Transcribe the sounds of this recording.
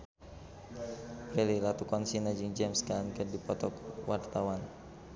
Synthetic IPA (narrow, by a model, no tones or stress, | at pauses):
pɛlilat̪ukɔnsinad͡ʒiŋd͡ʒɛmskalankərdipɔt̪ɔkwart̪awan